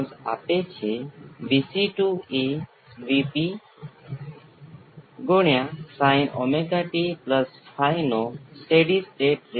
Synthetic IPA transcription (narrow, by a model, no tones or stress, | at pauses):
nsa̰pet͡ʃʰeʋisiʈue | ʋipi | ɡoɳ̃jasaɪnɔ̰meɡaʈipləspʰajnosʈeɖisʈeːʈɾ